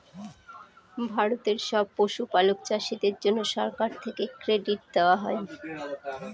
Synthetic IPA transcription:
bʱaɾot̪eɾʃɔb̚poʃupalokt͡ɕaʃid̪eɾd͡ʑonːoʃɔɾkaɾt̪ʰekekɾeɖiʈ̚d̪eoaɦɔe

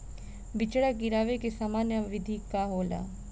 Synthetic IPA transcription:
bɪt͡ʃɽaɡɪɾaːʋekesaːmaːnjəʋɪd̪ʱikaɦoːla̰

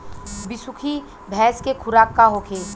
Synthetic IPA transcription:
bɪsʊkʰi | bʱɛːskekʰʊɾaːkːaɦoːkʰeː

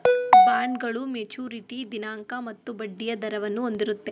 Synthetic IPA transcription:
baːɳɡɐɭumet͡ʃuːɾiʈid̪inaːŋkɐmɐt̪ːubɐɖːijɐd̪ɐɾɐʋɐnːuond̪iɾut̪ːe̞

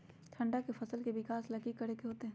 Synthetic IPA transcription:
t̪ʰɐ̃ɳɖakefʰɐsəlkeʋɪkaːslɐkikːɐɾeːkeɦoːt̪eɦɛ̃ː

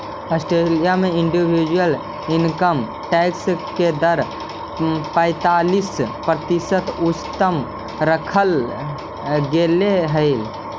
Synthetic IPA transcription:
əsʈɾelijameiɳɖibʱid͡ʒwəl | inkəm | ʈɛksked̪əɾ | pə̃ɪt̪alispɾət̪isət̪ut͡ʃt̪əm | ɾəkʰəl | ɡeleɦəɪl

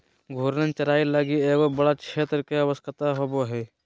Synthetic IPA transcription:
ɡʱuːɾnənt͡ʃɐɾaːilaɡieːkobɐɽakʰeːt̪ɾəkeɐʋəskʰət̪aɦoboɦɛː

